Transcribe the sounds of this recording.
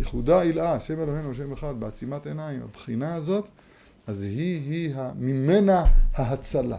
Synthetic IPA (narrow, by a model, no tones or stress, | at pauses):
jeχud̪ailʔaʃe̞melo̞ɦenubeʃ̬e̞meχad̪̚beat͡simat̪e̞naima̰bχinaazo̞t̪ | ʔazhiɦiɦamime̞nahaɦat͡sala̰